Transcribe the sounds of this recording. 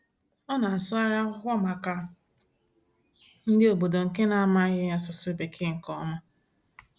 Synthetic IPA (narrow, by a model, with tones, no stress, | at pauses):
ɔ˦na˨a˨sʊ˦a˦ɾa˦kʷɔ˦ma˨ka˦ | n̩˦dɪ˦o˨bo˨do˨ŋ̩˨ke˦na˨a˦ma˦ɣɪ˦ja˦sʊ˨sʊ˦e˨be˨kʰɪ˦ŋ̩˨kɔ˦ma˦